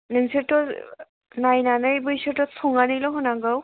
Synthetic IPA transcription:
nɯŋsɯtɔ | najnanɯjbɯjsɯtɔsʰɔŋanɯjlɔɦɔnaɡaw

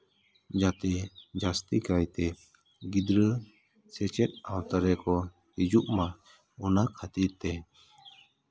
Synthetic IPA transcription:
d͡ʒat̪ɛd͡ʒast̪ikajt̪ɛ | ɡid̪ɾə | sɛt͡ʃɛt̪̚awt̪aɾɛkɔ | hid͡ʒuʔma | ɔnakʰat̪iɾt̪ɛ

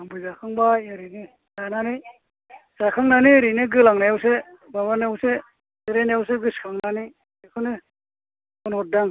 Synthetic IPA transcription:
aŋbujzakʰaŋbajɯɾinɯ | sananɯ | z̥akʰaŋnaniɾinɯɡɯlaŋnajawsebamanewse | seɾenajaws̬eɡɯskʰaŋnani | ekʰɯnɯ | kɔnɔt̚daŋ

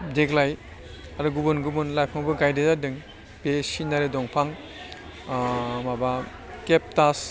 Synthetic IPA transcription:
deɡlaj | aɾuɡubunɡubunlajpʰaŋbɯɡajdezadɯŋ | besinaɾedɔŋpʰaŋ | maba | kep̚tas

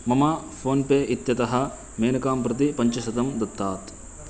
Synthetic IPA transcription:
mɐma | pʰoːnpeːʔit̪jɐt̪ɐɦɐ̆ | meːnɐkaːmpɾɐt̪̬ipɐɲt͡ʃɐsɐt̪ɐmd̪ɐt̪ːaːt̪

